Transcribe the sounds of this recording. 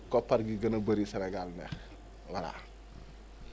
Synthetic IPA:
kɔpːɐɾɡiɡɐnɐbɐɾisɐɾɛɡalnɛx | wala̰

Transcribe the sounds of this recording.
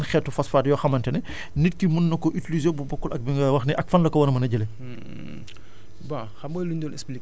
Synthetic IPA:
nxɛːtːufɐsfaːtjɔxɐmɐntɛnɛ | nitkimunːɐkɔʔitilizɛbubɔkːulɐk̚biŋɡɐwɐxnɛʔɐk̚fɐnlɐkɔwɐnɐmɐnɐɟɐle | ba | xɐmbɔːjluɲdɔːnɛsplik̚

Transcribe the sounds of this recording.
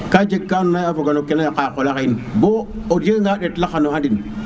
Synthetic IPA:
kad͡ʒekːanonajafoɡanokːenajakakolakainboodeŋɡaɗetlaxanoadin

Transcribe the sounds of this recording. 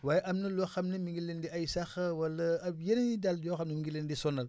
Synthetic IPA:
waːjeʔɐmnɐlɔxɐmnɐmiŋɡilːendiajsɐxɐwɐlːɐɐbjenɐnidaldjɔxɐmnɐmiŋɡilendisɔnɐl

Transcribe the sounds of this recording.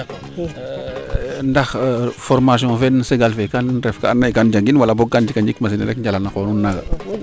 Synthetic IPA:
ndɐxfɔɾmas̬iɔ̃fɛnseɡalfɛkanɾɛfkaanːajkand͡ʒaŋɡinwalabɔɡ̚kːand͡ʒikaɲd͡ʒikmas̬iniɾɛkɲd͡ʒalanakɔnunːaɡa

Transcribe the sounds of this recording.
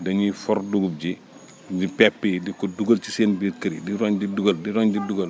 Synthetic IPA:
dɐɲifɔrduɡup̚ɟi | dipɛpːədikɔduɡɐlt͡ʃi̥seːnbiɾkɐɾidiɾɔɲdiduɡɐldiɾɔɲdiduɡɐl

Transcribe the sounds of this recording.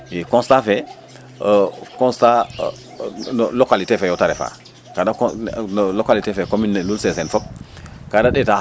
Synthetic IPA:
jikɔ̃nstafɛ | kɔ̃nsta | nlokalitefɛjɔtaɾɛfa̰ | kada | lokalitefɛkominːɛlulsɛsɛnfɔp̚kadaɗɛta

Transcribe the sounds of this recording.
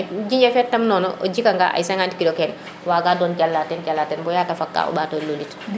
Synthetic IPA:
d͡ʒiɲɛfɛtːamnɔːnɔʔo̰d͡ʒikaŋɡa̰ʔa̰jsaŋanti̥kidokɛn | waɡaːdɔːnkalːatɛnkalːatɛnbɔjaːtafakːa̰ːo̰baːtololit

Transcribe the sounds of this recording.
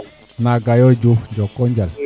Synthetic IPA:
naɡajɔd͡ʒufɲd͡ʒɔkɔɲd͡ʒal

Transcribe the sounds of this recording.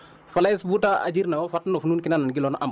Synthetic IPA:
falasbutaa̰d͡ʒiɾnawɔfatnofnuːnkinanaɡilɔnʔam

